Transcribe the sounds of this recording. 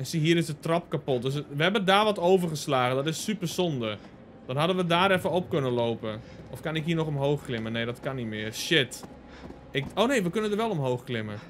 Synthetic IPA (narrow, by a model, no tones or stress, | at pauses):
ɛsiɦiəɾɪsdətrɔp̚kapot̚døs̬ʋəhɛbədaːʋɔtoːvərxəslaːɣəndɔtɪsːypərsɔndə | d̥ɔnɦadənʋədaːɾɛfəɔpkønəloːpənɔfkanɪkɦiːnɔxɔmɦoːxklɪməneːdɔtkanitmɪːərʃɪt | ɪkoːnejʋəkønəndərʋɛlˠɔmɦoːxklɪmə